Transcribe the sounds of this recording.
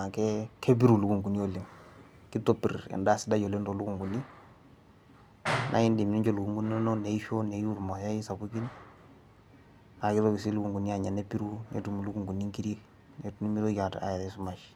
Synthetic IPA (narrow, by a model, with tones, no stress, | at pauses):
a˨kɛ˦kʰe˦pi˦ɾu˨lu˨ku˨ŋɡu˨ni˦o˨le˨ŋ | ki˦to˦˨pḭ˨rɛ̰˨nda˦sɪ˦da˦ɟo˨le˦nto˨lu˦ku˨ŋɡu˨ni˦ | nʔa̰˦ɪ˦ndi˨mi˨ni˦ɲt͡ʃo˦lu˨ku˨ŋɡu˦n˦ɔ˦nɔ˦ne˨i˦ɸo˦ne˨˦u˦˨ɾma˨ja˦i˦sa˨bu˦ki˦n | na˨kɪ˦to˦ki˨si˦lu˦ku˨ŋɡu˨ni˦a˨ɲa˨ne˦pi˦ɾu˦nḛ˨tu˨mu˨lu˦ku˨ŋɡu˨ni˦ŋki˦ɾe˦ | ne˨tu˦ni˦mi˦ɾo˦ka˨ta̰˨ɾɛ˨su˦ma˨ʃ